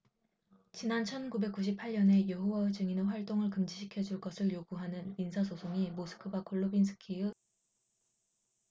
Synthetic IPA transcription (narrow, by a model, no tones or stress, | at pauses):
t͡ɕinant͡ɕʰʌnkube̞k͈uɕʰipʰaʎɲʌne̞jʌɦuwaɯd͡ʑɯŋinɯnɸwaɭt͈oŋɯɭkɯmd͡ʑiɕʰikʰjʌd͡ʑuɭk͈ʌsʰɯɭjoɡuɦanɯnminsʰas̬ʰosʰoŋimosʰɯ̥kʰɯbakʰoɭːobinsʰɯ̥kʰiɯ